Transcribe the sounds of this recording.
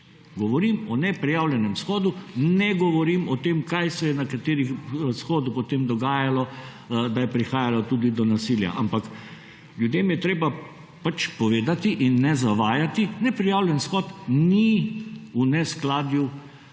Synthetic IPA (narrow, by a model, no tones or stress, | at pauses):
ɡɔʋɔɾimɔnɛpɾijawlʲjɛnɛmsxɔːd̪unɛɡɔʋɔɾimɔt̪eːmkajsɛjɛnakat̪eːɾixsxɔːd̪upɔt̪eːmd̪ɔɡaːjalɔ | d̪ajɛpɾixaːjalat̪uːd̪id̪ɔnasilja̰ʔampak | ljud̪eːmjɛt̪ɾeːba | pat͡ʃpɔʋeːd̪at̪iʔinːɛzaʋaːjat̪inɛpɾijaːwlʲjɛnsxɔt̪ni | unɛsklaːd̪ju